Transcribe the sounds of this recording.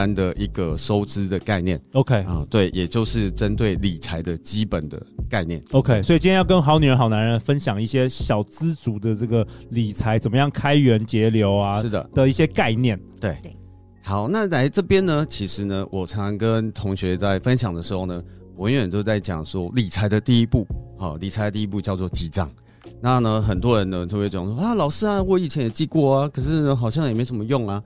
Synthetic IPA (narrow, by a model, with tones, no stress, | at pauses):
a˦nd̪ə˨ʔi˧˥ɡə˨ʂo˥ʊt͡sɹ̩˦d̪ə˨˩ka˥˧ɪnjɛ˥˨˩no˧ʊkʰe˥ɪ˥˧t̪we˥˩ɪjʔɛ˨˩t͡ɕjo˥˧ʊʂɻ̩˥˩ʈ͡ʂə˦nt̪we˥˩ɪli˨˩t͡sʰa˧˦ɪd̪ə˨˩t͡ɕi˦pə˨˩nd̪ə̰˦ka˥˧ɪnjɛ̰˥˩no˧˥ʊkʰe˥ɪswɔ˧˥i˨t͡ɕi˥jɛ̃˦jkə˦nxɑ˧˥ʊny˨˩ə˧˦n˥xɑ˨˩ʊna˧˦nɻə˧˥nfə˦nɕjɑ˨˩ŋi˥˩ɕjɛ˥ɕjɑ˨˩ʊt͡sɹ̩˦t͡su˧˥d̪ə˨ʈ͡ʂɤ˥˩ɡə˩li˨˩t͡sʰa˧˥ɪt͡sə˨˩mə˦jɑ˥˩ŋkʰa˥ɪɥɛ˧˥nt͡ɕjɛ˧˥ljo˧˥ʊa˧ʂɻ̩˥˩d̪ə̰˩d̪ə˨i˥˩ɕjɛ˦ka˥˧ɪnjɛ˥˩nt̪we˥˩ɪ | xɑ˨˦ʊna˥˨la˧˥ɪʈ͡ʂɤ˥˩pjɛ˥nə˧t͡ɕʰi˧˥ʂɻ̩˧˦nə˧wɔ˨˩t͡sʰa˧˥˧ŋkə˦nt̪ʰʊ˧˥ŋɕɥɛ˧˥t͡sa˥˩ɪfə˦nɕjɑ˨˩ŋd̪ə˩ʂɻ̩˧˦xo˥˩ʊnə˩wa˧˦nɥɛ˨˩nt̪jo˥˧ʊt͡sa˥˩ɪt͡ɕjɑ̰˨˩ŋʂwɔ˥li˨˩t͡sʰa˧˥ɪd̪ə˨t̪i˥˧i˦˥pu˥˩hɑ̰˥˨˩li˨˩t͡sʰa˧˥ɪə˧t̪i˥˧i˥p̬u˥˧t͡ɕjɑ˥˧ʊt͡swɔ˥˩t͡ɕi˧˥ʈ͡ʂɑ̰˥˩˦ŋ | na˥˨nə˨xə˨˩nt̪wɔ˦ɻə˧˦nə˧t̪ʰbɛ˧˥˩t͡ɕo˨˩˨ʂa˥˩lɑ˨˩ʊʂɻ̩˥a˨wɔ˥˧˩i˥˩t͡ɕʰjɛ˧˥njɛ˨˩t͡ɕi˥˧kwɔ˥˩a˨kʰɤ˨˩ʂɻ̩˥˩nə˧xɑ˨˩ʊɕjŋjme˧˥oʊʂə˨˩mə˦jʊ˥˩ŋa˨